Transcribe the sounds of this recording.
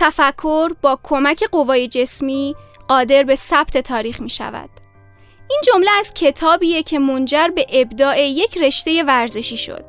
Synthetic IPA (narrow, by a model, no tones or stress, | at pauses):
t̪ʰæfækʰːo̞ɾbɒːkʰo̞mæcʰe̞ɢo̞vɒːje̞d͡ʒe̞smiːɢɒːd̪e̞ɾbe̞sæb̥t̪ʰe̞t̪ʰɒːɾiːχmiːʃæ̰væ̰d̪̥ | ʔiːnd͡ʒo̞mleæzcʰe̞t̪ʰɒːbiːjecʰe̞mo̞nd͡ʒæɾbe̞ʔebd̪ɒːʔe̞je̞cʰre̞ʃt̪e̞je̞væɾze̞ʃiːʃo̰d̪̥